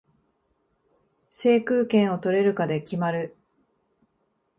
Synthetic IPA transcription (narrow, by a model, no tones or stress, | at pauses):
se̞ːkɯːkẽ̞ɰ̃o̞t̪o̞ɾe̞ɾɯ̟kad̪e̞kʲimaɾɯ̟